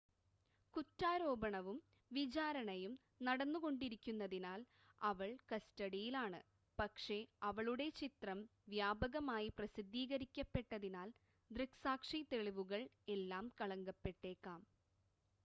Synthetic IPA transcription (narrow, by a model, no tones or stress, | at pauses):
kutːaːɾo̞ːbɐɳɐʋum | ʋid͡ʑaːɾɐɳɐjum | nɐɽɐnːuɣo̞ɳɖiɾikʲːunːɐðinaːl | ɐʋɐɭkɐstɐɽijilaːɳɨ̰ | pɐkʂe̞ɐʋɐɭuɽe̞t͡ɕit̪rɐmʋjaːbɐɣɐmaːjiprɐsid̪ʱːiːɣɐɾikʲːɐpːe̞ʈːɐðinaːl | d̪rɨksaːkʂit̪e̞ɭiʋuɣɐɭ | e̞lːaːmkɐɭɐŋɡɐpːe̞ʈːe̞ːkːaːm